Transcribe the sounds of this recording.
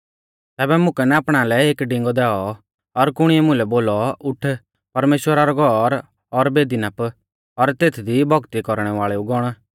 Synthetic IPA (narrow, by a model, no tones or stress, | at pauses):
t̪ɛːbɛmʊ̃kɛnɛapɽ̃alɛeːkɖɪ̃ŋɡɔd̪ɛːɔ | ɔɾkʊɽ̃ɪɛmʊ̃lɛboːlɔʊʈʰ | pɐɾmeːʃwəɾaɾɔɡʱɔɾ | ɔɾbeːd̪inap | ɔɾt̪eːt̪ʰd̪ibʱɔɡt̪ikɔɾɽ̃ɛʋaːɭɛuɡɔɽ̃